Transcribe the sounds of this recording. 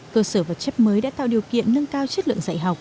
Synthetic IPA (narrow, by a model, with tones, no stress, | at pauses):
kəː˧səː˧˩vaə˨˩t̚t͡ɕɛ˦˥p̚məː˨˦jɗa̰ː˧˥t̪a̰ː˧˨wɗi˨˩əwkḭ˧˨ənːə˧ŋkaː˧wt͡ɕə˦˥t̚lɨ̰˧˨əŋza̰˧˨jɦa˨˩wk͡p̚